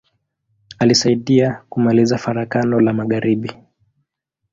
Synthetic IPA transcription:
alisaiɗiakumalizafaɾakanɔlamaɠaɾiɓi

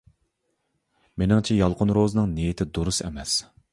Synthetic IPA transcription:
menɪŋt͡ʃʰɛjɑlˠqʰʊnɾozɨnɨŋnijit̪ʰɪd̪oɾusɛ̰mɛs

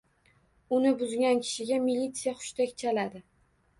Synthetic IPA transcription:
ʊnɪbʊzɡʲankʲʰɪ̥ʃɪɡʲamilːit̪sijaχʊ̥ʃt̪ʰakʲt͡ʃʰalad̪ɪ

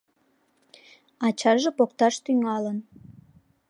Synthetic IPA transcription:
ɑt͡ɕɑrʒĕpokt̪ɑʃt̪yŋɑlən

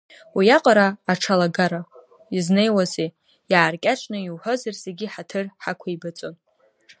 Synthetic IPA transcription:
wijaqʼaɾaːʈ͡ʂʰalaɡaɾa | izne̞jwaze | jaːrkʲʼat͡ʃʷʼnɨiwħʷozarserɡʲiħatʰɨrħakʷʰaibat͡sʷʼon

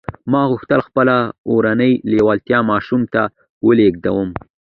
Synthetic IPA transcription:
mɑɣʊxt̪əlxpəlaoɾanəjlewalt̪jɑmɑʃumt̪a | wəleɡ̚d̪awəm

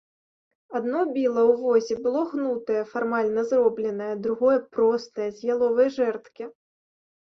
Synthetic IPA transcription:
ad̪nɔbʲilˠɐwvɔzʲibɨlˠɔɣnut̪ɐjɐfarmalʲnɐzrɔblʲɛnɐjɐd̪ɾuɣɔjɐpɾɔst̪ɐjɐzʲjʲalˠɔvɐjɐʐɛrt̪kʲi

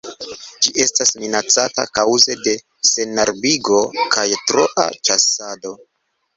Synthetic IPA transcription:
d͡ʒiʔe̞stasminat͡sata̰kawze̞de̞ | se̞naɾbiɡo̞kajtɾo̞ʔa̰t͡ʃasado̞

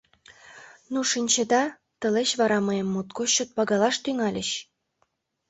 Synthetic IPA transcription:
nuʃinʲt͡ɕĕd̪ɑ | t̪ə̆leɕβɑɾɑmɤjemːut̪̚koɕot̪̚pɑɡɑlɑʃt̪yŋɑlʲə̆ɕ

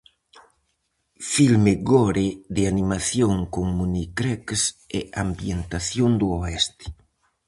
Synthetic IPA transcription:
filmeɡɔɾeðɪanimaθjoŋkoŋmunikɾɛksɛambjent̪aθjoŋd̪uoɛst̪ɪ̥

